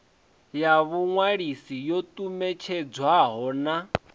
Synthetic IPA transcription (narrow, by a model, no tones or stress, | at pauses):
jaβuŋwaɺisijot̪ʼumɛt͡ʃʰɛd͡zwaɦɔːna